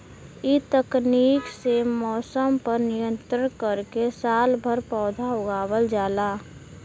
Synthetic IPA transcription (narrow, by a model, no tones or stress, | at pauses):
it̪əkniːksemɔːsəmpəɾnijə̃nt̪ɾənkəɾkesaːlbʱəɾpɔːd̪ʱaoʊɡaːbəld͡ʒaːlaː